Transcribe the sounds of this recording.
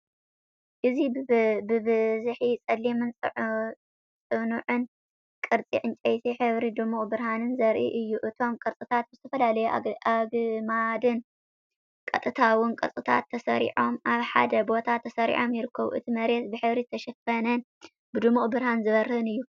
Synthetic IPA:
ʔɨzibɨbɨzħit͡sʼɐd̪limɨnʼ | t͡sʼɨnuʕɨn | kʼɨɾt͡sʼḭʕɨnt͡ʃʼɐjt̪ʰiħɨβɾid̪ɨmukʼbɨɾhanɨnzɐɾʔḭʔɨjːuʔɨt̪ʰo̞mkʼɨɾt͡sʼɨt̪ʰat̪̚bzɨt̪ʰɐfɐlalɐjuaɡmad̪ɨn | kʼɐt̪ʼːɨt̪ʰawʊnkʼɐɾt͡sʼɨt̪ʰa̰t̪ʰːɐsɐɾḭʕo̞mʔaβħa̰d̪ɐbo̞t̪ʰat̪ʰːɐsɐɾḭʕo̞mjɪɾɨkʰːɐβṵʔɨ̰t̪ʰimɐɾet̪bɨħɨβɾit̪ʰːɐʃɐfɐnɐn | bɨd̪ɨmuχʼbɨɾhanzɨβɐɾhɨnɨjːu

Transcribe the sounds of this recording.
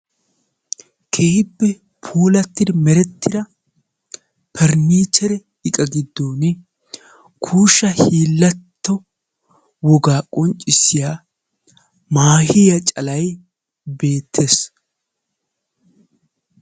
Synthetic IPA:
kʰeːbːɛ | pʰuːlɐt̪ːɪd̪mɛɾɛt̪ːɪd̪ɐ | pʰɛɾniːt͡ʃɛɾɛ | ɪkʼɐɡɪd̪ːoːnɛ | kʰuːʃːɐhiːlːɐt̪ːɔ | wɔɡaːkʼɔnt͡ʃʼːɪsɪjaː | maːhɪjɐt͡ʃʼɐlɐj | be̞ːt̪ʰːeːs

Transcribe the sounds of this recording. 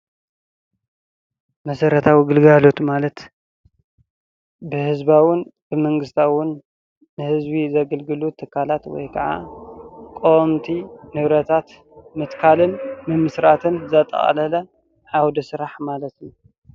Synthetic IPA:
mɐsɐɾɐt̪ʰawiɡɨlɡalo̞t̪malɐt̪ | bɨhɨzbawʊnbɨmɐŋɡɨst̪ʰawʊnː | ɨhɨzbizɐɡɐlɡɨlut̪ʰɨkʰːalat̪wɔ̰jkʰɐʕa̰ | kʼomt̪ʰinɨβɾɐt̪ʰat̪ | mɨt̪kʰalɨnmɨmɨsɾat̪ʰɨnzɐt̪ʼɐ̰χʼɐ̰lɐlɐ | ʕawd̪ɐsɨɾaħmalɐt̪ju

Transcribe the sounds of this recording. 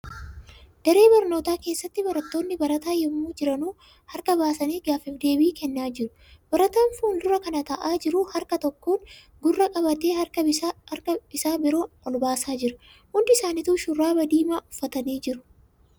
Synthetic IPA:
d̪̥ɐɾe̞ːbɐɾno̞ːt̪aːke̞ːsːɐt̪ːɪbɐɾɐt̪ːo̞ːnːɪbɐɾɐt̪aːjɛmːuːd͡ʒɪɾɐnuː | hɐɾkɐbaːsɐniːɡaːfɪfd̪e̞ːbiːkɛnːaːd͡ʒɪɾʊ̥ | b̥ɐɾɐt̪aːnfuːnd̪ʊɾɐkɐnɐt̪ɐʔaːd͡ʒɪɾʊhɐɾkɐt̪ɔkːoːn | ɡʊrːɐkʼɐbɐt̪e̞ːhɐkɐɐɾkɐbɪsaːbɪɾo̞ːnɔlbaːsaːd͡ʒɪɾɐ̥ | hʊnd̪ɪɪsaːnɪt̪uːʃʊrːaːbɐd̪iːmaːʔʊfːɐt̪ɐniːd͡ʒɪɾʊ̥

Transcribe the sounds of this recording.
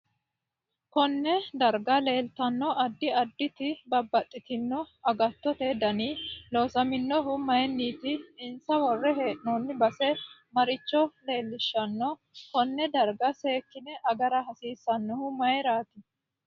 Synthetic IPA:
kɔnːɛd̪ɐɾɡɐle̞ːlt̪ɐnːɔʔɐd̪ːɪɐd̪ːɪt̪ɪbɐbːɐt̪ʼːɪt̪ɪnːɔɐɡɐt̪ːɔt̪ɛd̪ɐniːloːsɐmɪnːɔɦʊmɐjɛnːiːt̪ɪːnsɐwɔrːɛɦeːʔnɔnːɪbɐsɛmɐɾɪt͡ʃːɔle̞ːlːɪʃːɐnːɔ | kɔnːɛd̪ɐɾɡɐseːkːɪnɛʔɐɡɐɾɐɦɐsiːsːɐnːɔhʊmɐjɛɾaːt̪ɪ

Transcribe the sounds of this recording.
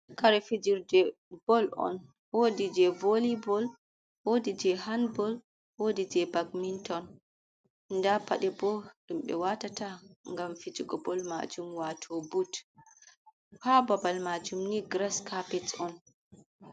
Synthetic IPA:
kaɾɛfid͡ʒiɾdɛ | b̥ɔlɔ̰n | wodid͡ʒɛvolibɔl | wodid͡ʒɛhanbɔl | wodid͡ʒɛbaɡmintɔn | ndapaɗɛbɔɗumɓɛ̰watataŋɡamfid͡ʒiɡɔbɔlma̰d͡ʒumwatʰɔbut | fababalmad͡ʒumniɡɾaskapɛtɔn

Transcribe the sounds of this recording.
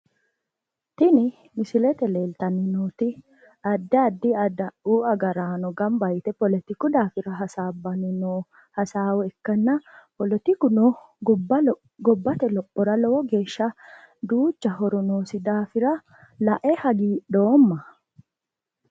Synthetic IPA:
t̪ɪnɪ | mɪsɪlɛt̪ɛleːlt̪ɐnɪnut̪ɪ | ɐd̪ːɛɐd̪ːɪɐd̪ɐʔuːɐɡɐɾaːnɔɡɐmbɐjt̪ɛpɔlɛt̪ɪkʊd̪aːfɪɾɐɦɐsaːbːɐnɪnoː | hɐsaːwɔɛkːɐnːɐpɔlɛt̪ɪkʊnɔ | ɡɔbːɐt̪ɛlɔʔɔɾɐlɔːɡeːʃːɐ | d̪uːt͡ʃːɐɦɔɾɔnoːsɪd̪aːfɪɾɐ | lɐʔɛhɐɡiːɗoːmːɐ

